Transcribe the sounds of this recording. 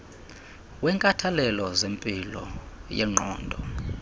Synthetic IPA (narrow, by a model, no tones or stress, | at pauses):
wɛŋkʼatʰalɛlɔzempʼilɔ̰jɛ̰ŋ͡ǃɔːndʱɔ